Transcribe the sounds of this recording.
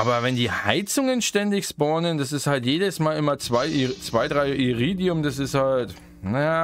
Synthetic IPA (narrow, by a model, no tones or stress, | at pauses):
ʔaːbɐvɛndiːha̰ɪt͡sʊŋənʃtɛndɪçsbɔɐnənd̥asɪsthaltjeːdəsmaːlɪmɐt͡sv̥aɪʔt͡sv̥aɪdʁaɪʔiʁiːdiʊmdas̬ɪsthalt | najaː